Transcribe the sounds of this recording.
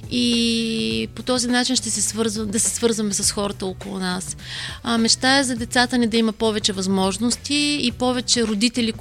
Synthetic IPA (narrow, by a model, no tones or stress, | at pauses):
i | pot̪ɔzinat͡ʃinʃt̪ɛsɛsvɤɾzvd̪ɐsɛsvɤɾzvɐmɛsɐsxɔɾət̪əokolˠṵnasmɛt͡ʃt̪aɛzɐd̪ɛt̪sat̪ənid̪ɐimɐpɔvɛt͡ʃɛvɐzmɔʒnost̪iːpɔvɛt͡ʃɛɾod̪it̪ɛlik